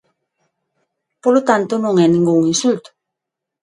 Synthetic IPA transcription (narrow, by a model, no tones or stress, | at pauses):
polot̪ant̪unuŋeniŋɡouŋinsult̪